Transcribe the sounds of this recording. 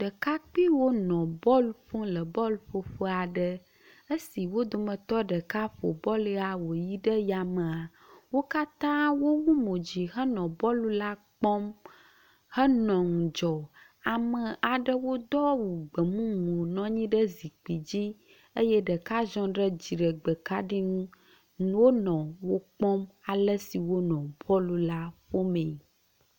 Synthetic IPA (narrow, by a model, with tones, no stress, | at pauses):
ɖə˨ka˦k͡pi˦wo˦nɔ̃˨bɔ˦lfõ˦lə˨bɔ˦lɸo˦ɸo˦a˨ɖə˦ | ə˦si˨wo˦d̪o˨mə̃˨t̪ɔ˦ɖə˨ka˦ɸo̰˨bɔ˦la˨wo˨ji˦ɖə˦ja˨mə̃˨a˨ | wo˦ka˦t̪ã˦wo˦wu˦mõ˨d͡ʑi˨ɦə˦nɔ̃˨bɔ˦lu˦la˦k͡pɔ̃˦m | hə˦nɔ̃˨ŋũ˨d͡ʒɔ˨ | a˨mə̃˨ʔa˨ɖə˦wo˦d̪ɔ˦wu˨ɡ͡bə˨mũ˦ŋũ˨o˨nɔ̃˦ɲĩ˦ɖə˦zi˨k͡pi˨d͡ʑi˦ | ə˦jɛ˦ɖə˨ka˦zɔ̃˦ɖə˦d͡ʑi˨ɖə˨ɡ͡bə˨ka˦ɖi˦ŋũ˦ | wo˦nɔ̃˨wo˦k͡pɔ̃˦ma˨lə˦si˨wo˦nɔ̃˨bɔ˦lu˨la˦ɸo˦mẽ˨